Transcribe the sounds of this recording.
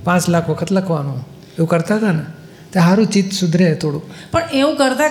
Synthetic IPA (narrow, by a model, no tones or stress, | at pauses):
pãt͡ʃlakʰʋəkʰət̪ləkʰʋanũ | eũkəɾt̪aɦət̪ane | t̪aɦaɾũt͡ʃit̪sud̪ʱɾet̪ʰoɽũpəɳeʋũkəɾt̪a